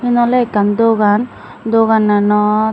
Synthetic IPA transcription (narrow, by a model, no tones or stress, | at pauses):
inɔlekand̪oɡan | d̪oɡananɔ